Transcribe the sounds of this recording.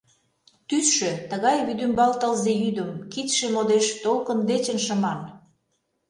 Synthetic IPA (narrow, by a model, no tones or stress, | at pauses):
t̪ysʃøt̪əɣɑjβyd̪ymbɑlt̪əlzejyd̪əmkit̪ʃemod̪eʃt̪olkənd̪et͡ɕə̆nʃə̆mɑn